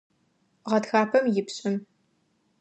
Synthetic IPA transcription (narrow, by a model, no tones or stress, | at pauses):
ʁɐtxaːpʰɐmjɪpɕʼɪm